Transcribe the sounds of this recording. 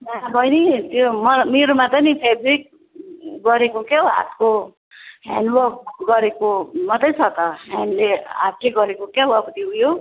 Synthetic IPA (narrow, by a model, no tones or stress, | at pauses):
nabʱʌjnit̪jomʌmeɾumat̪ʌnipʰebrik̚ | ɡʌɾekokaoɦa̰t̪ko | ɦa̰nwʌk̚ɡʌɾekomʌt̪ʌjt͡sʰʌt̪ʌɦanleɦa̰t̪leɡʌɾekokawʌkt̪iɦujo